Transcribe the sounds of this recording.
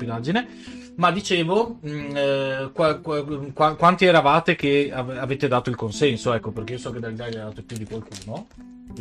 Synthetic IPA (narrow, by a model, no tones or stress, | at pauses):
pid̪ad͡ʒine | mad̪it͡ʃeːvo | kakkwakwant̪iɛɾavaːt̪ekeaavet̪ed̪aːt̪oilkonsɛnsoɛkːopeɾrk̟eiosɔked̪alit̪ad̪aːt̪opjud̪ikwalkuːno